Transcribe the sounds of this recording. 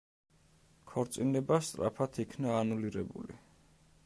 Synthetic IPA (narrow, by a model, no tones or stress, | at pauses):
kʰɔɾt̪sʼinɛbast̪ʼɾa̰pʰat̪ʰikʰnaːnuliɾɛbṵlḭ